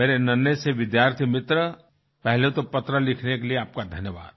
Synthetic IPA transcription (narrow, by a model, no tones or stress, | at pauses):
meːɾenənəseʋɪd̪jaːɾt̪ʰimɪt̪ɾə | pɛɦlet̪opɐt̪ɾəlɪkʰnekelieaːp̚kad̪ʱɐnjəʋa̰ːd̪